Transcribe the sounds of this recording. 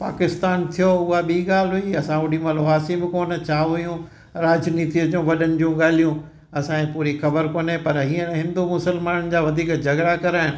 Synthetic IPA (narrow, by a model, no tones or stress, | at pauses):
pa̰ːkɪst̪aːnt̪ʰijoʊɦaɓiːɠaːl̤ɦʊiɐsãʊɽĩmɐloɦaːsibɪkoːn̆t͡ɕʰaːɦʊjũ | ɾaːd͡ʑniːt̪iʊd͡ʑũʋɐɗənɪ̆d͡ʑũɠaːl̤ijũ | ɐsãẽpuːɾixɐbəɾkoːnepɐɾɦiːə̃nɦɪ̃nd̪umʊsəlmaːnənɪ̆d͡ʑaːʋɐd̪ʱiːkd͡ʑɐɡɾakɐɾaːɪnɪ̆